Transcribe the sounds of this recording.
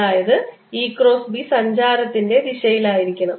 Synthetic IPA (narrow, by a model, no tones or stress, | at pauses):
aːjɐðɨ | iːkro̞ːsbisɐɲd͡ʑaːɾɐt̪ːinde̞diɕɐjilaːjiɾikʲːɐɳɐm